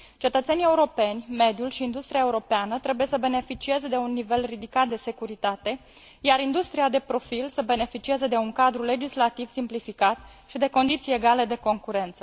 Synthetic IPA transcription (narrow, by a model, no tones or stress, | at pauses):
t͡ʃe̞t̪ət̪se̞nie̞uɾo̞pe̞nʲme̞d̪julʃiːnd̪ust̪ɾiaeuɾo̞peanət̪ɾe̞buje̞səbe̞ne̞fit͡ʃie̞zed̪e̞unːive̞lrid̪ikat̪̚d̪e̞se̞kuɾit̪at̪e̞ | jaɾind̪ust̪ɾiad̪e̞pɾo̞filsəbe̞ne̞fit͡ʃiezəd̪e̞uŋkad̪ɾule̞d͡ʒislat̪iv̥simplifikat̪ | ʃid̪e̞ko̞nd̪it̪sie̞ɡale̞d̪e̞ko̞ŋkuɾe̞nt̪sə̥